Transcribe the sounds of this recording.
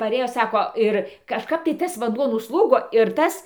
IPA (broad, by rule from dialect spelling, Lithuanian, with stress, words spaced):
pɐˈrʲeːjoː ˈsɑːkoː ˈɪr kɐʃˈkɐp tɐɪ ˈtɐs ʋɐnˈduɔ nʊsˈlˠuːɡoː ɪr ˈtɐs